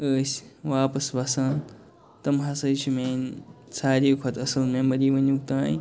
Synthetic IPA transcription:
əːsʲʋaːpɐsbasaːn | t̪ɐmɦasɐjt͡ʃʰimeːnsaːɾiːkʰɐt̪ɐsɐlmẽmbɐɾiːʋɐɲukt̪aːjĩ

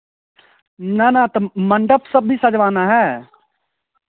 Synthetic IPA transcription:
naːnãːt̪aməɳɖəpsəbiːsəd͡ʒʋaːnaːɦɛː

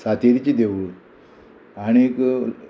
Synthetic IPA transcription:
sat̪eɾit͡ɕid̪eʋuɭ | añik

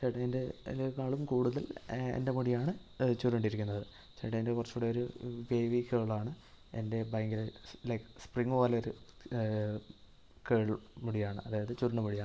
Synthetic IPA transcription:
t͡ɕeʈɐendelkaːɭumkuːɽuðɐlḛnde̞muɽijaːɳɨt͡ɕuɾuɳɖiɾikʲːunːɐðɨ | t͡ɕeːʈɐendekurɐt͡ɕːuːɽeoɾuʋejʋikeːɭaːɳɨ | e̞̰nde̞bɐjŋɡilelɐkspriŋːʋoːleoɾu | keːɭmuɽijaːɳɨ̰ɐðaːjɐðɨt͡ɕuɾuɳɖɐmuɽijaː

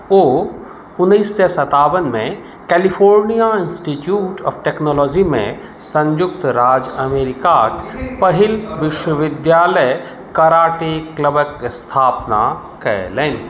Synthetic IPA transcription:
oː | ʊnːiːsːesɐt̪aːʋənmẽ | kɛːlipʰoːɾnijaɪnsʈiʈjuːʈʰɔ̰ːfʈeknɔːlɔːd͡ʒimḛ̃ | sɐ̃ɲjʊk̚t̪ɾaːd͡ʒɐmeːɾɪkaːkpɐɦɪlʋɪʃwəʋɪd̪jaːləj | kɐɾaːʈekləbəkst̪ʰaːpna̰ | kɐ̰ḛleːni

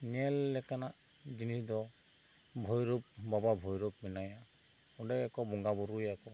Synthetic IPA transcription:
nɛlːɛkanaʔd͡ʒinisdɔ | bʱɔjɾup̚bababʱɔjɾup̚mɛnaja | ɔdɛɛkɔbɔŋɡabɔɾujakɔ

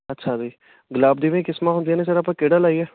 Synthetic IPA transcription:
ətːʃʰaːdiː | ɡəlaːb̚d̪iːʋẽːkɪsmaːɦʊ̃nd̪ijaːnẽs̬əɾaːpãːkeːɽaːlaːiɛː

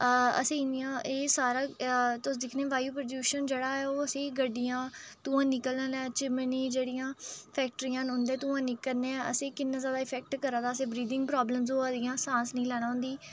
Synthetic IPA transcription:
ə̰sẽːɪnijãːʔeːsaːɾaːt̪ʊd̪ɪkʰnẽːʋaːjuːpɾəd͡ʒjuːʃənd͡ʒeːɽaːɛːoːəsẽːɡəɖijãːt̪ũːãːnɪkəlnə̃ːnɛːt͡ʃɪmniːd͡ʒeːɽijãːpʰɛːk̚ʈɾijãːnɦʊ̃nd̪ẽːt̪ũːãːnɪkəɾneɛ̃ə̰sẽːkɪnːãːzjaːd̪aːɪpʰɛːk̚ʈkəɾãːd̪aːəsẽːbɾiːd̪ɪ̃ŋɡ̚pɾaːbləmzoːəd̪ijãːsãːsnəĩːlɛːɽ̃ãːʊ̃nd̪iː

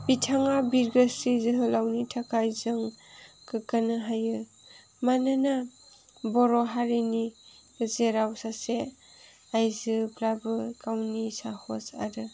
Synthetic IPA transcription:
bitʰaŋabiɾɡəsizɯɦɯlawnitʰakajzɯŋkɯkanɯɦajɯ | manana | bɔɾɔɦaɾini | zeɾawsase | ajzɯpɾabɯkawnisahɔsa̰ɾɯ

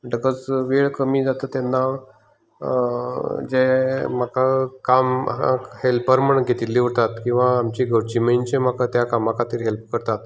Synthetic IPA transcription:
ɖəkət͡sʋeɭkəmiːd͡zat̪ət̪ɛnːa | d͡zemakakamhelpəɾməɳɡʱet̪ilːiʋət̪at̪kĩw̃ʋaːmt͡ɕiɡəɾt͡ɕiməjnt͡ɕemakat̪jakamãkat̪iːɾɦelp̚kəɾt̪at̪̚

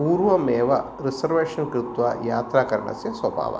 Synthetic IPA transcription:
puːɾʋɐmeːʋɐ | ɾisɐɾʋeːʂɐnkɾɪt̪ʋajaːt̪ɾaːkɐɾɐ̰ɳɐ̰sjɐsʋɐbʱa̰ːʋɐ̰

